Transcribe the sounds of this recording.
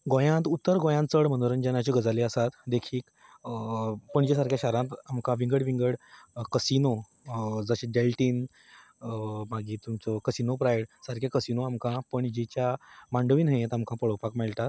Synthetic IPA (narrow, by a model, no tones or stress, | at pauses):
ɡõjãt̪ut̪ːəɾɡõjãnt͡səɽmənoɾənd͡ʑanat͡ɕiɡəd͡zaliəsat̪d̪ekʰiːk | pəɳd͡ʑis̬aɾkʰjaɕaɾãt̪amkãʋiŋɡəɽʋiŋɡəɽkəsino | d͡zəɕeɖelʈiːn | maɡiːt̪umt͡sɔkəsinopɾajɽsaɾkʰjakəsinoamkãpəɳd͡ʑit͡ɕjamaɳɖəʋiːnɦə̃jet̪amkʰãpəɽopakmelʈ̪at̪̚